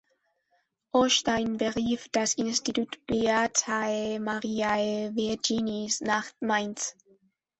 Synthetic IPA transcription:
ʔɔʃtaɪnbəʁiːfd̥asɪnstitutb̥iatʰaemaʁiːaeviɐd͡ʒinisnaχtmaɪns

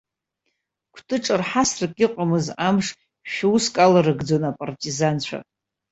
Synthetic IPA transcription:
kʷʰtʰʼɨʈ͡ʂʼɨrħasrɨkʼɪqʷʼamɨzamʂ | ʃᶣuskʼalaɾɨɡd͡zonapʼartʼizant͡ɕʷʰa̰

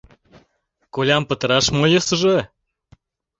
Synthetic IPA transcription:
kolʲɑmpə̆t̪ə̆ɾɑʃmojəsəʒə

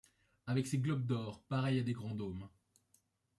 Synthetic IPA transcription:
avɛkseɡlɔb̚d̪ɔːʁpaʁɛjad̪eɡʁɑ̃d̪om

